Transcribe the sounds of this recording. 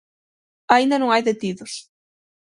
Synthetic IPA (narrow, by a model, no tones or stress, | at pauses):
aind̪anõŋajðet̪iðʊs